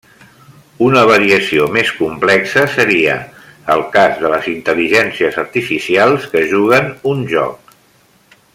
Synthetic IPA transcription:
unəβ̞əɾiəsiomeskumplɛksəsəɾiə̰ːlˠkazðələzint̪əliʒɛnsiəzəɾt̪ifisialˠskəʒuɣ̞ənunʒɔ̰k̚

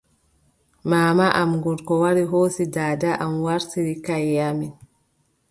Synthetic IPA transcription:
maːmaʔamŋɡɔɾkɔwaɾiɦoːsidaːdaʔamwaɾtiɾikajːamin

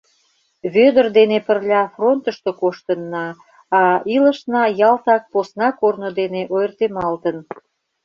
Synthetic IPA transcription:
βød̪ərd̪enepərlʲɑfront̪əʃt̪okoʃt̪ənːɑː | ilə̆ʃnɑjɑlt̪ɑk̚posnɑkornod̪eneʔojərt̪emɑlt̪ən

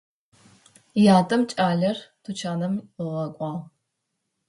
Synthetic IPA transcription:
jaːtʼɐmt͡ʃʼaːɮɐrtʰut͡ʃʰaːnɐmʁɐkʷʼɑːʁ

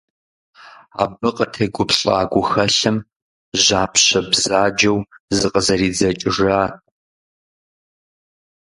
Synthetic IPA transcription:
a̰ːbɨqʼətʰeːɡʷʊpɬʼa̰ːɡʷʊxɐɬɨm | ʑaːpʰɕɐbz̥aːd͡ʒɐwzɨqʼəzɐriːd͡zɐt͡ʃʼɪʐaː

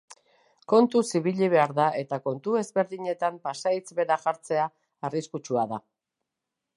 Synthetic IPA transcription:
ko̞nt̪usiβiʎiβ̞e̞aɾðaʔe̞t̪ako̞nt̪ue̞zβe̞ɾðiɲe̞t̪ampasait͡sβe̞ɾaʝaɾt͡se̞aː | riskut͡ʃuaða

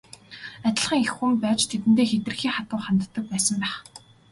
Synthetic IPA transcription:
æt̪ʲɪ̆ɮχĭŋexːumpæːt͡ɕt̪ʰet̪̬ɘ̆nt̪eːxet̪ɘ̆rxiːχat̪ʊːχant̪ːə̆k̚pæːsə̆mpæːχ

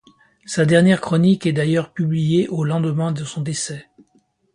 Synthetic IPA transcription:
sad̪ɛʁnjɛʁkχɔnikɛd̪ajœʁpyblijeʔolɑ̃d̪əmɛ̃d̪əsɔ̃d̪esɛ

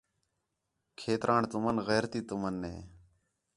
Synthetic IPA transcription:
kʰeːt̪ɾʔaːɳt̪ʊmənɣɛːɾt̪iːt̪ʊmənːḛː

